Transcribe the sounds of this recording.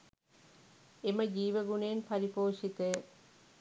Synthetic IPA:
eməd͡ʒiːʋəɡuneːnpɐɾipoːʂit̪əjə

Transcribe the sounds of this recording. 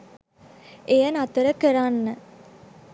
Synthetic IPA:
ejənat̪əɾəkəɾanːə

